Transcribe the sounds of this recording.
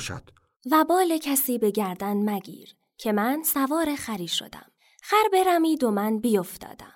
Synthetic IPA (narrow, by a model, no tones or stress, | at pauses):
ʃæ̰d̪̥ | væbɒːlecʰæsiːbe̞ɟæɾd̪ænmæɡḭːɾ | cʰe̞mænsævɒːɾexæɾiːʃo̞̰d̪æ̰m | xæɾbe̞ɾæmiːd̪omænbijoft̪ɒ̰ːd̪æ̰m